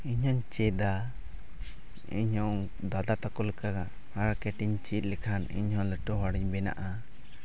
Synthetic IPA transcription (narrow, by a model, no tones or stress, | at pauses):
iɲɦɔɲt͡ʃɛd̪a | ḭɲhɔŋ | d̪ad̪at̪akɔlɛka | haɾkɛʈiɲt͡ʃit̪̚ˀlɛkʰanḭɲhɔ̃ləʈɔɦɔɽiɲbɛna̰ʔa